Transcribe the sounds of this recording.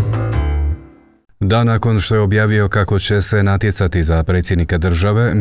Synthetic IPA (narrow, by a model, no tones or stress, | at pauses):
d̪anakɔnʃt̪ɛɔbjaʋiɦɔkakɔt͡ʃɛsɛnat̪ɪɛt͡sat̪izapɾɛt͡sid̪nikad̪r̩ʒaʋɛ